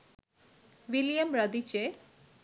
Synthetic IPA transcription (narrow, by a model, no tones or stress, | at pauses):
wilijamɾʌd̪it͡ɕe